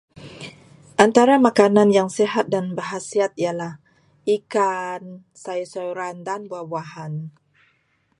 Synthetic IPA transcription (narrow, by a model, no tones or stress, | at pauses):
ʔant̪aɾamakananjaŋseɦat̪̚danbərɦasiat̪̚ialah | ʔikan | saisoɾandanbuabuaɦan